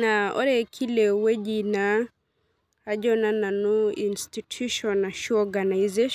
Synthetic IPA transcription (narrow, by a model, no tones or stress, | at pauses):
naɔ̰ɾɛkʰilewed͡ʒina | ad͡ʒɔnananuinstitʰuʃɔnaʃuɔɡanajzeʃ